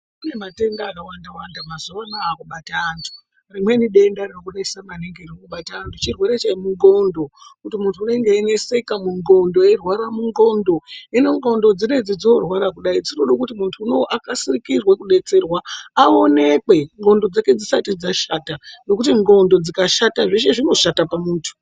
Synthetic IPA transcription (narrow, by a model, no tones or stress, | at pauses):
une̞mate̞ndakawandawandamazoʋanaːkuɓataːntʰu̥ | rimwe̞niɗe̞ndarinokuɗaisamaneŋɡeriokuɓataːntʰut͡ʃirwe̞ɾe̞t͡ʃaimuŋɡo̞ndo̞kutimuntʰuːneŋɡeːne̞se̞kamuŋɡo̞ndo̞jerwaɾamuŋɡo̞ndo̞ine̞ŋɡo̞ndo̞d͡zine̞d͡zid͡zorwaɾakuɗaid͡ziroɗokutimuntʰuːno̞ʔakasirikirwekuɗe̞t͡se̞rwaao̞ne̞kwe̞ŋɡo̞ndo̞d͡zake̞d͡zisatid͡zaʃaːtano̞kutiŋɡo̞ndo̞d͡zikaʃataʐeʃe̞ʐino̞ʃatapamuːntʰu̥